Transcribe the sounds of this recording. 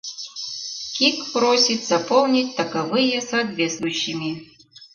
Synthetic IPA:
kʲikpɾosʲit̪zɐpolˠnʲit̚ʲt̪ɐkɐvɨjɛsɐɐt̪vʲet̪st̪vʊjɕːɪmʲi

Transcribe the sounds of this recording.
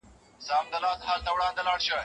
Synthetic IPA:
saːmd̪əlaːt̪ɦaːlt̪awɽãːnd̪əlaːɽɕə

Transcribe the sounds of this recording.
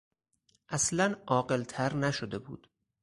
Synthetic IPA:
ʔæslænɒːɢe̞lt̪ʰæɾnæʃod̪e̞bṵːd̪̥

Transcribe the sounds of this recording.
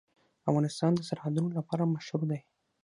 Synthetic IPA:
afɣɑnɪst̪ɑnd̪əsaɾhad̪unolapɑɾamaʃɾud̪aj

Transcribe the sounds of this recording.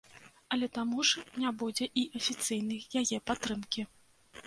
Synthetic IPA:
ɐlʲɛt̪amuʐnʲabud͡zʲɛʔiʔɐfʲit̪sɨjnɨjjajɛpat̪ɾɨmkʲi

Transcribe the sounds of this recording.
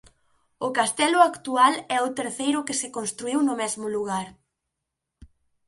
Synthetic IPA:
ʊkast̪ɛlʊakt̪ualɛʊt̪eɾθejɾʊkɪsɪkonst̪ɾuiwnʊmɛzmʊluɣ̞aɾ

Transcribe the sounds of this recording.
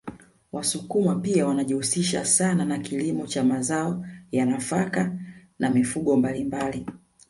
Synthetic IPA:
wasukumapiawanaʄihusiʃa̰sananakilimɔt͡ʃamazaɔjanafakanamifuɠɔmbalimbali

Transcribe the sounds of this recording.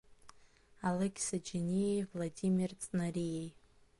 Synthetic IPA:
alekʲsad͡ʒinʲijejvladʲimʲirt͡sʼnarijej

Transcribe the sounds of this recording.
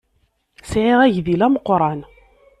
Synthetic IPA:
sʕiʁæʝðilæməqːɾˤɑn

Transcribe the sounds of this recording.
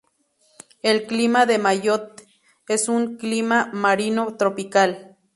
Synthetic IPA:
elklimaðemajot̪ | esuŋklimamaɾinot̪ɾopikal

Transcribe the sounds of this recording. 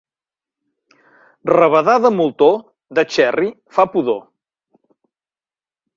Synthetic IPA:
rəβəðaðəmulˠt̪o | ðət͡ʃɛri | fapuðo

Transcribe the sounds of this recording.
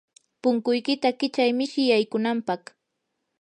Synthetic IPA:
pʊŋkʊjkɪt̪akɪt͡ʃajmɪʃɪjajkʊnampɑχ

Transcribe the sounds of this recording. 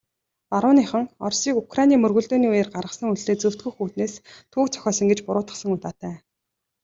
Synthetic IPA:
paɾʊːniːχə̆ŋɔ̰rsiːkukranʲiːmɵrɣɵ̆ɮt̪oːniːujeːrɢarʁə̆sə̆ŋuɮt̪eːt͡sɵw̥t̪̚ɡŭjxuːt̪̚neːst̪ʰuːkt͡sʰœ̥xʲɔːsə̆ŋɡet͡ɕpʊɾʊːt̪ə̥̆sə̆ŋʊt̪aːt̪ʰæː

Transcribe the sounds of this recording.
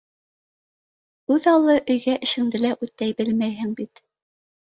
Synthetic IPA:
ʉðɑlˠɤʔɵ̆jɡæʔɘ̆ʃɘ̆ŋd̪ɘ̆læʔʉt̪̚ːæjbɘlmæjɦɘŋbit̪

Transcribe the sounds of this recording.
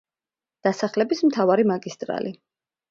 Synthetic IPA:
d̪̥asaχlɛbismt̪ʰavaɾimaɡist̪ʼɾa̰li

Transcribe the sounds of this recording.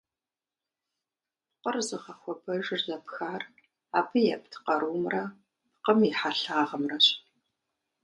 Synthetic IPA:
pqərzɨχɐxʷɔpʰɐʒɪrzɐpxaːr | aːpʰɨjɛ̰p̚ʰtʰqɐɾʔuːmrɐ | pqəmiħaɬaːʁɐmrɐɕ

